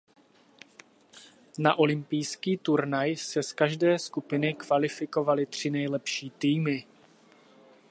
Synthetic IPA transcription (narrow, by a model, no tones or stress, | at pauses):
naʔo̞lɪmpɪjskiːt̪uɾnajsɛskaʒdɛːskupɪnɪkvalɪfɪko̞valɪt̪r̝̥ɪnɛjlɛpʃiːt̪iːmɪ